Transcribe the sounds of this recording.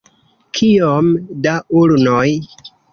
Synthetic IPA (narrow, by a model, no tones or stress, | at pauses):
kʰiomdaulnoj